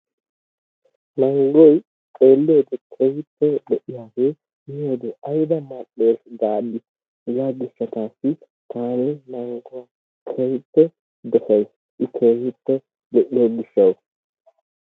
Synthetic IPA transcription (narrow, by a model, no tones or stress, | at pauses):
nɐŋɡɔj | kʼe̞ːlːeːd̪ɛkʰɛjtːɛɗɛʔɪjaːɡeː | ɪjoːd̪ɛʔɐjd̪ɐmɐɗːe̞ːsɡ̪aːɗɪ | ɪzaɡɪʃːɐt̪aːsːɪ | t̪ʰaːnɪnɐŋɡʊwa | kʰejpːɛ | d̪ɛfɐjs | ʔɪkʰeːhɪtːɛ | ɗ̪ɛʔɪoɡɪʃːɐw